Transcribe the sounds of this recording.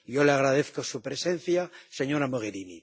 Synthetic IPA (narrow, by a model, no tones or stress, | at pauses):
jo̞leaɣɾað̞eθko̞supɾe̞se̞n̟θjase̞ɲo̞ɾamoɣ̞eɾinḭ